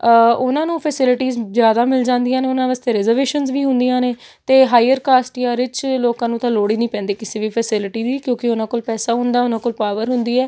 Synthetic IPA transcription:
ʊnãːnũːpʰɛːsɪlɪʈiːzzjaːd̪aːmɪld͡ʒãːnd̪ijãːneːʊnãːʋaːst̪eːɾɛzəɾʋeːʃənzʋiːɦʊnd̪ijãːneː | t̪eːɦaːjəɾkaːsʈjãːɾɪt͡ʃloːkãːnũːt̪ãːloːɽiːnĩːpɛ̃ːnd̪eːkɪseːʋiːpʰɛːsɪlʈiːd̪iːkjõːkɪʊnãːkoːlpɛːsaːɦʊ̃nd̪aːʊnãːkoːlpaːʋəɾɦʊnd̪iːɛː

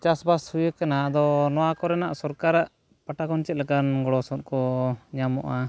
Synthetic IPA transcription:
t͡ʃasbashujəkanad̪ɔnɔwakɔɾɛnaʔsɔɾkaɾaʔ | paʈakɔnt͡ʃɛt̪̚lɛɡanɡɔɽɔsɔt̪̚kɔɲamɔ̰ʔa

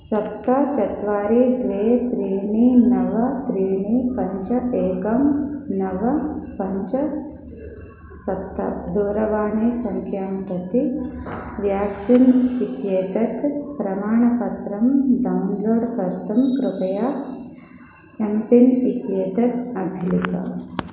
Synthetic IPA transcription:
sɐp̚t̪ːat͡ʃɐt̪ʋaːɾiːd̪ʋeːt̪ɾiːɳiːnɐʋɐt̪ɾiːɳiːpɐɲt͡ʃɐeːkɐmnɐʋɐpɐɲt͡ʃɐ | sɐt̪ːɐ̰d̪uːɾɐʋaːɳeːsɐŋkʰjaːmpɾɐt̪i | ʋjaːksinit̪jeːt̪ɐt̪pɾɐmaːɳɐpɐt̪ɾɐmd̪ɐmloːɽkɐɾt̪ɐmkɾʊpɐjaː | ɐmpinit̪jeːt̪ɐt̪ɐbʱilika̰

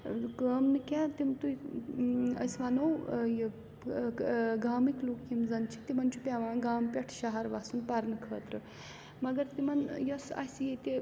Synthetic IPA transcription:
kəːmnɨkʲat̪imt̪u | ɐ̰sʋanɐwj | ɡaːmikluːkːimzɐnt͡ʃʰi̥t̪imɐnt͡ʃʰupʲaʋãːɡaːmpʲɐʈʰʃaɦɐɾʋaːsunpɐɾnɨkʰəːt̪ɾɨ | mɐɡɐɾt̪imɐnjɐsa̰sʲjet̪i

